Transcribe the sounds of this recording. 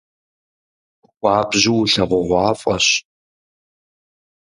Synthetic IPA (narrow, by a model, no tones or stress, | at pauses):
xʷʼɑːbʑɪwɬɐʁʷɔʁʷɑːfʼɐɕ